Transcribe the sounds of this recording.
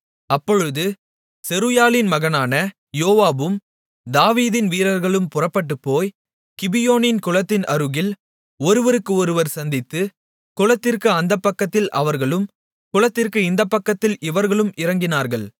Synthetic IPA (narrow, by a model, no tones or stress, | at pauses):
ɐpːɔɻɯðɯ | sɛɾɯjaːlɪnmɐɣɐnaːnɐ | joːʋaːbɯm | d̪aːʋiːðɪnʋiːɾɐɾɣɐɭɯmpʊrɐpːɐʈːɯpːoːj | kɪbɪjoːnɪnkʊɻɐt̪ːɪnʔɐɾɯɣɪl | ɔɾɯʋɐɾɯkːɯɔɾɯʋɐɾsɐnd̪ɪt̪ːɯ | kʊɻɐt̪ːɪrkɯɐnd̪ɐpːɐkːɐt̪ːɪlʔɐʋɐɾɣɐɭɯm | kʊɻɐt̪ːɪrkɯɪnd̪ɐpːɐkːɐt̪ːɪlʔɪʋɐɾɣɐɭɯmɪɾɐŋɡɪnaːɾɣɐɭ